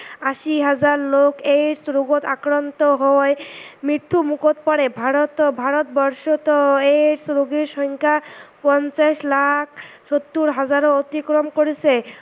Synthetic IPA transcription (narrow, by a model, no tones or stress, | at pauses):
aʃiɦad͡ʑaɾlokejɾsɾoɡot̪akɾant̪oɦɔemɾiɾt̪ʰːumukot̪pɔɽebʱaɾot̪bʱaɾot̪̚bɔɾʃɔt̪ɔeɾsɾoɡiɾʃɔŋkʰapɔnt͡ɕaʃlak̚ʰʃot̪ːuɾɦad͡ʑaɾoot̪ikɾomkoɾit͡ɕʰe